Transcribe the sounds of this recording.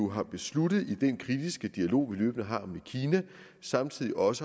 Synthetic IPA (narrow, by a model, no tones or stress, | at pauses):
uɦɑ̈b̥e̝slud̥ð̞̩ˠid̥enkʰʁid̥isɡ̥əd̥iælo̝̰ːʋilø̰ːb̥nəɦɑ̰̈mnikʰiːnæ | sɑ̈mt͡sʰið̰ˠiʔɒ̽sə